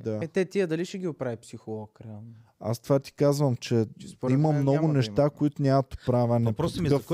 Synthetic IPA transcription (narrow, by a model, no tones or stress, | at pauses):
d̪aɛt̪ɛt̪iəd̪ɐliʃɛɡʲiʊpɾavipsixolˠɔk | a̰st̪ovat̪i̥kazvəmt͡ʃɛsimɐmnɔɡʊnɛʃt̪akoit̪ʊnʲamɐt̪ʊ̥pɾavʲɐnɛpɾɔsmif